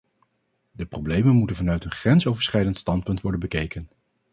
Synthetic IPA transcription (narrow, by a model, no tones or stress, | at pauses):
dəprowblejmənmutənvɑnœɥtənχrɛnsowvəɹsχɛjdəntstɑnt̚pɵntʋɔɹdənbəkejkən